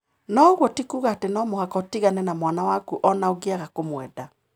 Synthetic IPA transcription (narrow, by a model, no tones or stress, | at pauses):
nɔɣwɔtikuːɣaːtenɔmohakɔtiɣanɛnamwanawakuʔɔnaoɡeaɣakomwɛda